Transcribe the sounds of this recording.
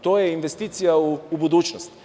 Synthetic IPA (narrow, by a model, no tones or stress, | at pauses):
t̪ojɛinʋest̪iːt̪sijauːbud̪uːt͡ʃnost̪